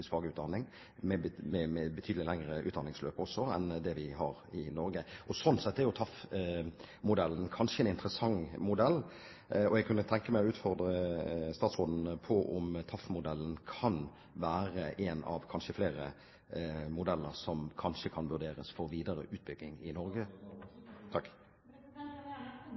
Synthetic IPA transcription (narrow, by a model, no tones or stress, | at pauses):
ɪsfɑːɡəʉːt̪d̪ɑnɪŋ | mɛmɛmɛbət̪ʰyːd̪əlɪlæŋɾəʔʉːt̪d̪ɑnɪŋsløːpɔsːɔɛ̰nd̪ɛʋɪɦɑɾɪnɔɾɡəʔɔsɔnsɛt̪ːɛʁjʊt̪ʰɑf | mʊd̪ɛlːnkʰɑnʂəɛːnɪnt̪ɾəsɑŋmʊd̪ɛlː | ɔɛɡ̚kʰʉnːət̪ʰɛŋkəmæɪɔʉːt̪fɔɾd̪ɾəst̪ɑːt̪sʁoːd̪n̩pʰɔʔʊmt̪ʰɑfmʊd̪ɛlːnkʰɑn | ʋæːɾəʔɛnɑ̰ʋkʰɑnʃəfleːɾə | mʊd̪ɛlːəɾsɔmkʰɑnʂəkʰɑnʋʉʁd̪eːɾəsfɔʁʋiːd̪əɾə̰ʔʉːt̪̚bʏɡ̪ːɪŋɪnɔɾɡə | t̪ʰɑkː